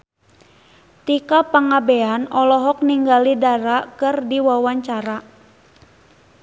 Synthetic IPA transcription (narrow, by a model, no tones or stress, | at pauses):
t̪ikapaŋabeanɔlɔɦɔk̚niŋɡalidaɾakɨrdiwawaɲt͡ʃaɾa